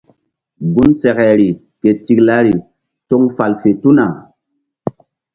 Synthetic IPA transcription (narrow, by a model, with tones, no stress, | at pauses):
ɡu˦nsɛ˨kɛ˨ɾi˨ | ke˨ti˨kla˦ɾi˨ | to˦ŋfa˨lfe˨tu˦na˨